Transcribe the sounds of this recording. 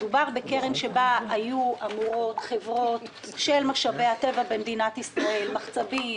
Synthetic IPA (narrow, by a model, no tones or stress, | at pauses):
dubaʁbeke̞ʁemʃe̞baajuʔamuʁo̞t̪χevʁo̞t̪ | ʃelmaχʃave̞jat̪e̞vabemd̪inatisʁae̞lmaχt͡savi